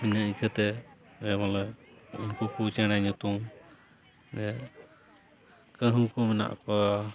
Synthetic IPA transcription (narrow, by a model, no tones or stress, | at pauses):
miɲaʔikʰət̪ɛ | ɛmalɛunkukut͡ʃɛɽ̃aɲut̪um | d͡ʒɛ | kəɦũkumɛna̰ʔkɔ